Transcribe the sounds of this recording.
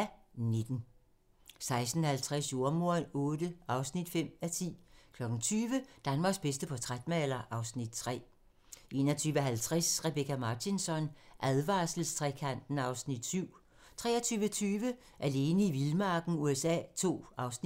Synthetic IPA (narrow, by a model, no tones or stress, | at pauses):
ne̝d̥n̩ | sɑ̈ɪsd̥n̩hælt͡sʰʁasjo̝ɐmo̝ɐnɔ̽ːdəʔɑ̈ʊsnid̥fem̰æt͡sʰḭːkʰlɒ̽ɡ̥n̩t͡sʰyːʋəd̥ænmɑ̈ːɡ̥sb̥esd̥əpʰɒ̽t͡sʰʁad̥mæelɐʔɑ̈ʊsnid̥̚t͡sʰʁɛ̰ː | ʔe̝ːnɐt͡sʰyːʋəɦælt͡sʰʁasʁeb̥ekʰæmɑ̈ːt͡sʰinsɒ̽nʔæðˠʋɑ̈sl̩st͡sʰʁɛkʰæn̰d̥n̩ɑ̈ʊsnid̥syʊ̰ | t͡sʰʁɛ̰ːɐt͡sʰyːʋət͡sʰyːʋə | ʔæle̝ːnəiʋilmɑ̈ːɡ̥n̩uesɛ̰ːt͡sʰo̝̰ːʔɑ̈ʊsni